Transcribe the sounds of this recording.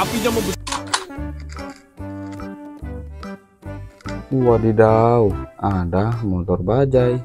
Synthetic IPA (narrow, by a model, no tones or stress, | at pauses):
apid͡ʒamabu | uwadidauadahmɔt̪ɔrbad͡ʒaj